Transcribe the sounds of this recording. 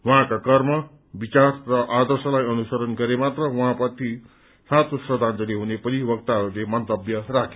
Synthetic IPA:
wãkakʌrmʌ | bit͡sarrʌʔad̪ʌrsʌlajʌnusʌɾʌnɡʌɾemat̪rʌwɦãpʌt̪ʰi | sãt̪osrʌd̪ʱand͡zʌniɦunepʌɾibʌk̚t̪aɦʌɾulemʌnt̪ʌbjʌrakʰe

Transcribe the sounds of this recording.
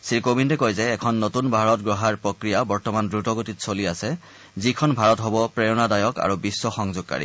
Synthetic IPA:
siɹkobindɛkojzɛːkʰɔnːotunbʱaɹɔt̚ɡɹɔɦaɹpɹokɹijabɔɹtɔmandɹutɔɡotitsoliasɛ | zikʰɔnbʱaɹɔtɦɔbɔpɹejɔnadajɔka̰ɹubisːɔxɔŋzʊɡ̚ka̰ɹḭ

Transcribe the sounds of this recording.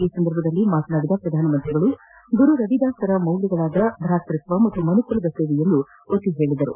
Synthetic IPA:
iːsɐnd̪ɐɾbʱɐd̪ɐlːimaːt̪naːɽid̪ɐpɾɐd̪ʱaːnɐmɐnt̪ɾiɡɐɭu | ɡuɾuɾɐd̪id̪aːst̪ɐɾɐmɐwliɡɐɭaːd̪ɐd̪ʱɾaːst̪ɾit̪ʋɐmɐt̪ːumɐnukulɐd̪ɐseːʋijend̪u | ot̪ːiɦe̞ːɭid̪ɐɾṵ

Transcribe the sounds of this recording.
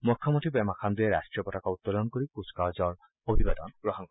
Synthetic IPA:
mukʰːjɔmot̪ʰibɛmakʰand̪iɛɹa̰sʈɹiɔpɔtakɔut̪ːɔlɔnkoɹikuskazɔɹ | obʱibad̪ɔ̰nɡ̥ɹɔɦɔŋkɔ

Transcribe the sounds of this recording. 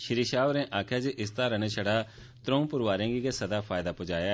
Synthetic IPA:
ʃɪɾiːʃaːʋɾẽːʔaːkʰjaːd͡ʒiʔɪst̪aːɾəneʃəɽaː | t̪ɾõːũpʊɾʋaːɾẽːɡiɡesəd̪aːpʰaːɪd̪aːpʊd͡ʒaːjaː

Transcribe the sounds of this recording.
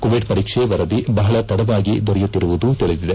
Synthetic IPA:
koʋiɖpɐɾiːkʂeʋɐɾɐd̪ibɐɦɐɭɐt̪ɐɽɐʋaːɡid̪ɔɾɛjut̪ːiɾuʋud̪ut̪iɭid̪id̪e

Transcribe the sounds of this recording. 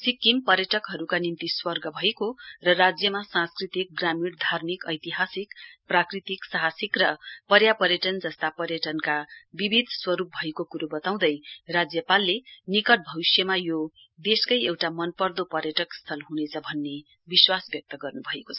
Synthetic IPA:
sikːimpʌɾjʌʈʌkɦʌɾukanint̪iswʌrɡʌbʱʌekorʌrad͡zjʌmasãskrit̪ik̚ɡramiɽd̪ʱarmikʌ̰jt̪iɦasikprakrit̪iksaɦasikrʌpʌɾjapʌɾjʌʈʌnd͡zʌst̪apʌɾjʌʈʌnkabibʱid̪ʱswʌɾup̚bʱʌekokuɾobʌt̪aw̃d̪ʌjrad͡zjʌpalːenikʌʈ̚bʱʌwisjʌmajo | d̪eskʌjewʈamʌnpʌrd̪opʌɾjʌʈʌkst̪ʰʌlɦunet͡sʰʌbʱʌnːe | biswasbjʌk̚t̪ʌɡʌrnubʱʌekot͡sʰʌ

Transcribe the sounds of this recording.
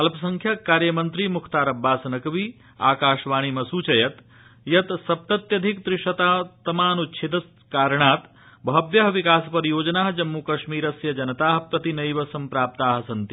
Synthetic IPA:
ɐlpsɐŋkʰjɐkːaːɾjɐmɐnt̪ɾimukʰt̪aːɾɐbːaːsɐnɐkʋi | aːkaːʃʋaːɽ̃imɐsuːt͡ʃɐjɐt̪ | jɐt̪sɐp̚t̪ɐt̪jɐd̪ʱikd̪ɾiʂɐt̪at̪ɐmaːnutːt͡ʃʰit̪ɐs | kaːɾɽ̃aːt̪ | bʱɐbjɐɦʋikaːspɐɾjoːd͡ʒɐnaːɦd͡ʒɐmːukɐʃmiːɾɐsjɐd͡ʒɐnɐt̪aːɦpɾɐt̪inɐjʋɐsɐmpɾaːp̚t̪aːɦsɐnt̪i

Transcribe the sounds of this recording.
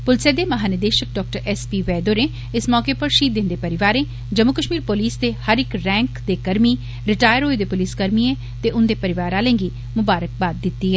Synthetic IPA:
pʊlseːd̪eːməɦaːnəd̪eːʃək̚ɖɔːk̚ʈəɾɛspiːʋɛːd̪oːnẽː | ɪsmɔːkeːpəɾʃiːt̪̚d̪ɪnd̪eːpəɾɪʋaːɾẽː | d͡ʒəmːʊkəʃmiːɾpoliːsd̪eːhəɾɪkɾɛ̃ːŋkd̪eːkəɾmiː | ɾɪʈaːjəɾɦoːed̪eːpʊliːskəɾmiːɛ̃ː | t̪eːʔʊnd̪eːpəɾɪʋaːɾaːlɛ̃ːŋɡiː | mʊbaːɾək̚baːd̪̚ːɪt̪ːiːɦɛː

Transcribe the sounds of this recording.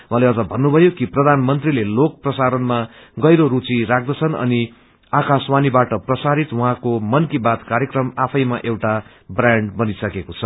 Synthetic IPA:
waɦãleʌd͡zʌbʱʌnːubʱʌjokiprʌd̪ʱanmʌnt̪rilelok̚prʌsaɾʌnma | ɡʌjɾoɾut͡siɾak̚d̪ʌt͡sʰʌnʌ̰ni | akaswanibaʈʌprʌsaɾit̪wʌɦãkomʌnkibat̪kaɾjekrʌmapʰʌjmaʔewʈa | braɳɖbʌnisʌkekot͡sʰʌ

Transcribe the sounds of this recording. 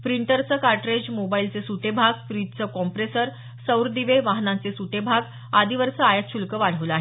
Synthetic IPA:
pɾiɳʈəɾt͡səkaɾʈɾed͡ʑmobailt͡sesuʈebʱaɡ̚fɾid͡ʑt͡səkɔmpɾesəɾ | səwɾd̪iʋeʋaɦnãt͡sesuʈebʱaɡ | ad̪ʱiʋəɾsəajat̪ɕʰulkəʋaɽ̤əʋlaɦe

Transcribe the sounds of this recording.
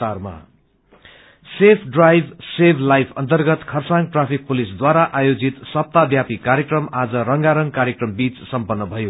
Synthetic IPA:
arma̰ | sepʰɖrajbʱsebʱlajpʰʌnt̪ʌrɡʌt̪kʰʌrsaŋɡ̚ʈrapʰik̚pulisd̪waɾaʔajod͡zit̪sʌp̚t̪abjapikaɾjekrʌmad͡zʌɾʌŋɡaɾʌŋkaɾjekrʌmbit͡ssʌmpʌnːʌbʱʌjo

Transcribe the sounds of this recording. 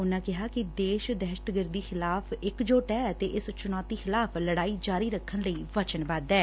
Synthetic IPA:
ʊnãːkɪɦaːkɪd̪eːʃd̪ɛːʃʈɡəɾd̪iːxɪlaːpʰɪkd͡ʒoːʈɛːt̪eːʔɪst͡ʃʊnɔːt̪iːxɪlaːpʰləɽaːiːd͡ʒaːɾiːɾəkʰːənləiːʋət͡ʃənbad̪ɛː

